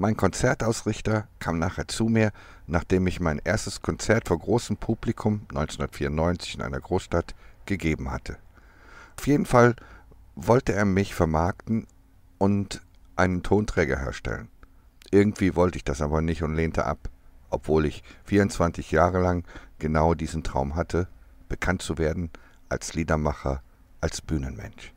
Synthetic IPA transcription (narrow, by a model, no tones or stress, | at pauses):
maɪnkʰɔnt͡sɛɐtʔaʊsʁɪçtɐkʰaːmnaːχheːɐt͡suːmiːɐ | naːχd̥eːmɪçmaɪnʔeːɐstəskʰɔnt͡sɛɐtfoːɐɡʁoːsəm̩pʰublikʰʊmnɔ̰ʏnt͡snʊndɐ̥tfiːɐʊntnɔʏnt͡sɪ̥çɪnʔa̰ɪnɐɡʁoːsʃtatɡ̥əɡeːbm̩ha̰tʰə | ʔaʊfjeːdn̩fal | vɔltəeːɐmɪçfɛɐmaɐktn̩ | ʔʊnt | ʔaɪnəntʰoːntʁ̥ɛːɡɐ̰ɦḛːɐʃtɛ̰lə̰n | ʔɪɐɡŋ̩tv̥iːvɔltəɪçd̥asʔaːbɐnɪçtʊntleːntʰə̰ʔa̰pʔɔpv̥oːlɪçfiːɐʊnt͡sv̥ant͡sɪçjaːʁəlaŋɡ̥ənaʊdiːzn̩tʁ̥a̰ʊmɦatʰə | b̥əkʰantt͡suveːɐdn̩ | ʔa̰lsliːdɐmaχɐ | ʔalsb̥yːnənmɛ̰nʃ